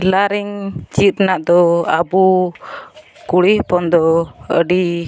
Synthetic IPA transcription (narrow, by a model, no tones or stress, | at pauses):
laɾiŋd͡ʒit̪naʔd̪ɔa̰bu | kuɽihpɔnd̪ɔə̰ɖi